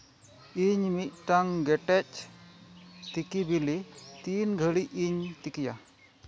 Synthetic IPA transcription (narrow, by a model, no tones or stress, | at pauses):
iɲmit̪̚ʈaŋɡɛʈɛt͡ʃ̚ | t̪ikibilit̪inɡʱəɽiiɲt̪ikija